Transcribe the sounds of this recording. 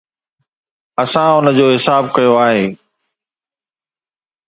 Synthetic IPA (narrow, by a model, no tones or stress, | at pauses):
ɐsãʊnəd͡ʑoːɦɪsaːb̚kɐjoaːɦeː